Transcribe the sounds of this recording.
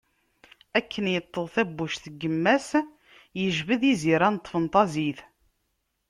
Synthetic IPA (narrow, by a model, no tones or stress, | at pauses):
ækʰːənjət̪ˤːəðˤθæbːuʃθəɡːəmːæs | jəʒvəðiziɾænət̪ˤːfənt̪ˤɑziθ